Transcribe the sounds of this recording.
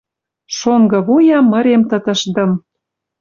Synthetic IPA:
ʃoŋɡɤ̆βujɑmːə̆ɾemt̪ə̆t̪ə̆ʃd̪ə̆m

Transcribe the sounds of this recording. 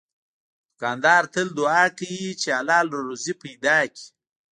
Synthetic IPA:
d̪̥ʊkɑnd̪ɑːɾt̪əld̪ʊɑːkajit͡ʃealɑːloɾozipajd̪ɑːki̥

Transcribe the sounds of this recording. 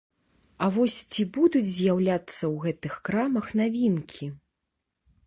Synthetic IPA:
ɐvɔsʲt͡sʲibud̪ud͡zʲzʲjawlʲat̪sːɐwɣɛt̪ɨxkɾamɐxnavʲinkʲʰi

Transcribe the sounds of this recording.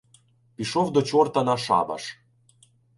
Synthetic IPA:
piʃovd̪ot͡ɕort̪ɑnɑʃɑ̰bɑ̰ʃ

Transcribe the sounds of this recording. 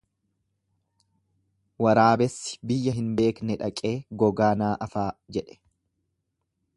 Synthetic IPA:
wɐɾaːbɛsːɪ̥bɪjːɐɦɪnbe̞ːknɛᶑɐkʼe̞ːɡɔɡaːnaːʔɐfaːd͡ʒɛᶑɛ̥

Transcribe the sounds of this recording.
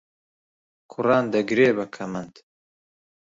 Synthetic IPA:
kʰʊrɑːnd̪ɐɡɾeːbɐkʰɐmɐnd̪

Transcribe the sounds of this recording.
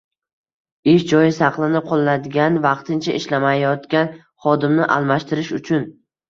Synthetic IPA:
ɪʃd͡ʒɒjɪsɑqlˠɪnɪqʰolˠːad̪ɪɡʲanvɑqt̪ʰɪnt͡ʃʰaʔɪʃlamajɒt̪kʲan | χɒd̪ɪmnɪʔa̰lˠmaʃt̪ʰɪɾɪʃʊt͡ʃʰʊn

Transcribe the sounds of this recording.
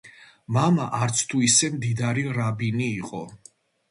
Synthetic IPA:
mamaʔaɾt̪sʰt̪ʰuisɛmd̪id̪aɾiɾabiniːqʼɔ

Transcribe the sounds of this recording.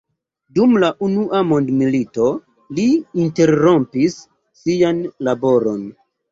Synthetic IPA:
dumlaʔunuʔamo̞ndmilito̞ | liːnte̞ɾɾo̞mpisː | ijanlabo̞ɾo̞n

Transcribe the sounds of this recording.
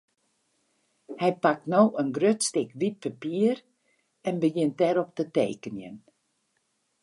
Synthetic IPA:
hɛjpak̚tnoːənɡrøtstɪkʋit̚pʰapiər | ɛnbəjɪnt̚dɛɾɔp̚tətḛːkənjə̰n

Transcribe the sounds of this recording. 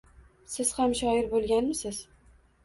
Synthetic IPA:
sɪz̥hamʃɒɪɾbolˠɡʲanmɪsɪz̥

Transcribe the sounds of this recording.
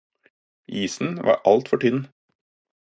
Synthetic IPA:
iːsn̩ʋʔɑ̰ːʔɑlt̪fɔʈʰʏd̪n

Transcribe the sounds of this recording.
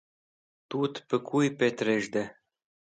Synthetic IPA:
t̪ut̪pə̆kʰujpet̪ɾeʒd̪e

